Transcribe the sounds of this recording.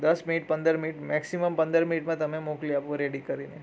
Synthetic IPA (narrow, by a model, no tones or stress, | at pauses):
d̪əsminiʈ̚pə̃nd̪əɾminiʈmɛksiməmpə̃nd̪əɾminiʈmãt̪ɐmẽmokliapʋəɾeɽikəɾine